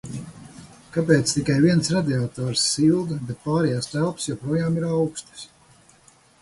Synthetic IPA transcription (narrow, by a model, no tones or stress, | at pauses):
kap̬eːt̪st̪ikajviɛnsɾad̪ʲiat̪ɔːɾsːilˠd̪bet̪̚paːɾɛjaːst̪ælˠpsjopɾuɔjaːmiɾawkst̪i̥s